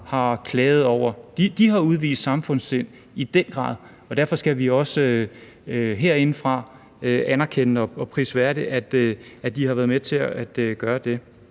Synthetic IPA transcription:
hɑ̈kʰlɛːð̩ˠɒʊ̰ɐd̥id̥iɦɑ̈uð̞ˠʋḭːsd̥sɑ̈mfɔ̽n̰se̝n̰ | id̥en̰ɡ̥ʁɑ̰̈ːðˠ | ɒ̽d̥æɐfɒ̽sɡ̥æʋiɒ̽sø | øɦeɐ̰e̝nəfʁɑ̈ | øʔænɐkʰen̰nəɒ̽ɒ̽pʰʁḭːsʋæɐd̥iʔæd̥æd̥ihɑ̈ʋæɐðˠmet͡sʰe̝ææd̥ɡ̥ɶːɐd̥e̝

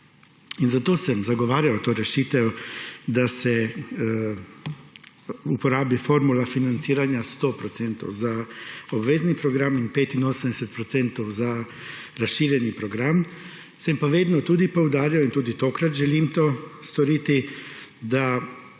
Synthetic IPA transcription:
inzat̪oːsɛmzaɡɔʋaːɾjawt̪oːɾɛʃiːt̪ɛwd̪asɛ | upɔɾaːbifoɾmulafinant̪siːɾanjast̪opɾɔt̪sɛnt̪ɔ̰wzaɔbʋeːznipɾɔɡɾaminpeːt̪inoːsəmd̪ɛsɛt̪̚pɾɔt̪sɛnt̪ɔwza | ɾasʃiːɾjɛnipɾɔɡɾam | sɛmpaʋeːd̪nɔt̪uːd̪ipɔwd̪aːɾiɔint̪uːd̪it̪oːkɾat̪ʒɛliːmt̪oːst̪ɔɾiːt̪id̪a

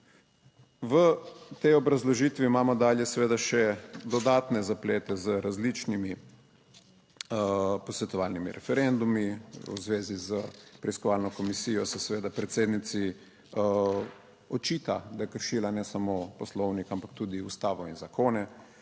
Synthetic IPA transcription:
ʋət̪ɛjɔbɾazlɔʒiːt̪ʋiːmaːmɔd̪aːljɛsɛʋeːd̪aʃɛd̪ɔd̪aːt̪nɛzapleːt̪ɛzəɾazlit͡ʃnimi | pɔsʋɛt̪ɔʋaːlnimiɾʔɛ̰fɛɾɛnd̪umiṵzʋeːzizəpɾɛiskɔʋaːlnɔkɔmisiːjɔsɛsɛʋeːd̪apɾɛt̪seːd̪nit̪si | ɔt͡ʃiːt̪ad̪ajɛkəɾʃiːlanɛsamoːpɔslɔwnikampak̚t̪uːd̪iust̪aːʋɔinzakʰoːnɛ

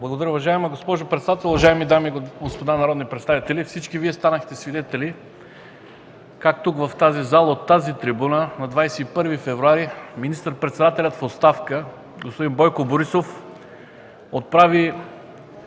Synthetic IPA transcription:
blˠɐɡod̪ɐɾəʊvɐʒaɛmɛɡospɔʒopɾɛt̪sɛd̪at̪ɛlˠʊvɐʒaɛmid̪amiɡospod̪anɐɾɔd̪nipɾɛt̪st̪avit̪ɛlifsit͡ʃkiviɛst̪anəxt̪ɛsvid̪ɛt̪ɛli | kakt̪ukvɐft̪azizalˠəot̪ːazit̪ɾibunənɐd̪vajsɛipɤɾvifɛvɾuaɾiminist̪əɾpɾɛt̪sɛd̪at̪ɛlʲɐt̪fot̪st̪afkə | ɡospod̪inbɔjkoboɾisof | ot̪̚pɾavi

